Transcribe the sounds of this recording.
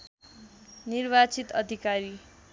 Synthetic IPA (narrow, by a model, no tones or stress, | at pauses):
nirbat͡sit̪ʌd̪ʱikaɾi